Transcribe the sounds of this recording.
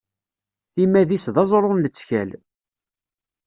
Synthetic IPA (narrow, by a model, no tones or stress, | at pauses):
θimæðisðɑzˤɾˤʊnlət͡sːçæl